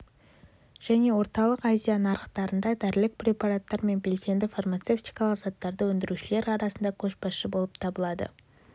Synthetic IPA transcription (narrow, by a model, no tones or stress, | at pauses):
ʒ̥æne̞wo̞ɾt̪ɑlˠəqɑzʲijanɑɾəqt̪ɑɾənd̪ɑd̪æɾlɪk̚pɾʲe̞pɑɾat̪ːɑɾme̞nbe̞lse̞nd̪ɪfarmat̪se̞ft̪ijkɑlˠəqzɑt̪ːɑɾd̪əwɵnd̪ɪɾuʃɪle̞ɾɑɾɑsənd̪ɑkʲʰɵʃbɑsʃəbo̞lˠəpt̪ʰɑbəlˠɑd̪ə̰